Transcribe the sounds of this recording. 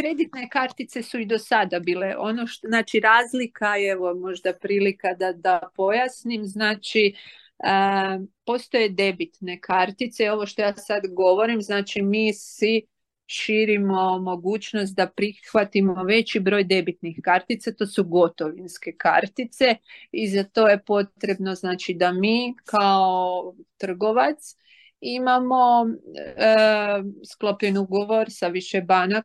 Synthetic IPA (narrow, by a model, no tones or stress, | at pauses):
kɾe̞d̪it̪nekaɾt̪it̪se̞suid̪o̞sad̪abiːle̞ʔo̞noʃt̪znaːt͡ʃiɾaːzlikaeʋo̞mo̞ʒd̪apɾiːlikad̪ad̪apo̞jasnimznaːt͡ʃi | əpo̞st̪o̞je̞d̪e̞bit̪ne̞kʰaɾt̪it̪seo̞ʋoʃt̪o̞jaːsad̪ɡo̞ʋo̞ɾimznaːt͡ʃimiːsʋi | ʃiːɾimo̞mo̞ɡuːt͡ʃno̞s̬t̪̚d̪apɾixʋat̪imo̞ʋe̞t͡ɕibɾo̞ːjd̪e̞bit̪nixkaɾt̪it̪sat̪o̞ːsuɡo̞t̪o̞ʋinske̞ka̰ɾt̪it̪se̞izat̪o̞ːje̞po̞t̪ɾe̞bno̞znaːt͡ʃid̪amiːkaot̪r̩ɡo̞ʋat̪s | imamo̞ | sklˠopʎenuɡo̞ʋo̞ɾsaʋiʃebana